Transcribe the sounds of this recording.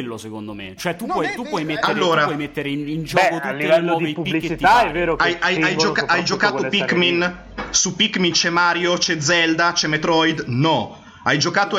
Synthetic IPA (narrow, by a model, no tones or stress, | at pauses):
lːosekond̪omḛt͡ʃoɛt̪ːupːwɔjt̪upːwɔjmetalɾːoːɾaɔjmet̪ːeɾeinind͡ʒɔːkot̪uleɛɔːvepulit͡ʃit̪aɛveɾoajajajd͡ʒokaʔajd͡ʒokaːopikːmin | supikːmint͡ʃɛmaːɾjot͡ʃɛd̪zɛld̪at͡ʃɛmet̪ɾɔjd̪nɔ | ajd͡ʒokaːt̪o